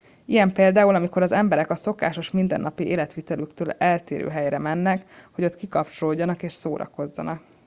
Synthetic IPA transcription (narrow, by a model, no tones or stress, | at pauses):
ijɛmpeːld̪aːulɒmiko̞ɾɒzɛmbɛɾɛkɒso̞ka̰ːʃo̞ʃmind̪ɛ̰nːɒpiʔeːlɛt̪ʋiːt̪ɛlykt̪øːlɛlt̪eːɾø̰ːɦɛjɾɛmɛnːɛkho̞ɟo̞t̪kikɒpt͡ʃoloɟːɒnɒkeːʃsoːɾɒ̰ko̞zːɒ̰nɒk̚